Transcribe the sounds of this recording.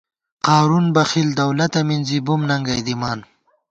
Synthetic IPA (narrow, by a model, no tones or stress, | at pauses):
qɑːɾunbɐxild̪ɐwlɐt̪ɐminzibumnɐŋɡɐjd̪imɑːn